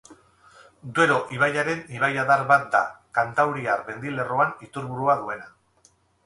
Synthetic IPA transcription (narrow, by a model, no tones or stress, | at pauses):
d̪ue̞ɾo̞ʔiβ̞ajaɾe̞niβajaðaɾβat̪̚d̪a̰kant̪awɾiaɾbe̞nd̪ile̞roanit̪uɾβuɾuaðue̞na